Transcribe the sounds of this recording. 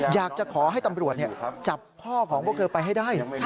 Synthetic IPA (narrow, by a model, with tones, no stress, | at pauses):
jaː˨˩k̚t͡ɕa˨˩kʰɔː˩˦ɦa˥˩jt̪a˧mɾu˨˩ət̪̚ni˥˩t͡ɕa˨˩p̚kʰɔː˥˩kʰɔː˩˦bɔː˧˥˦k̪ʰɤː˧pa˧jɦa˥˩jdaː˥˩j